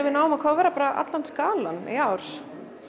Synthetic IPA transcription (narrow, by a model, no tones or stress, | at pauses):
vɪðnaːwʏmakʰavɛɾapaːɾaʔa̰t̪lant̪skaːlanḭawɾ̥